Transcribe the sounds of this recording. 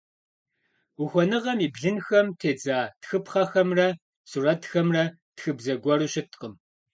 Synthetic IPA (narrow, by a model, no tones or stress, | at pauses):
ʊxʷɔnɨʁɐmiːbɮɨnxɐmtʰeːd͡zaːtxɨpχɐxɐmrɐ | surɐtxɐmrɐ | txɨbzɐɡʷɔruːɕɪtqəm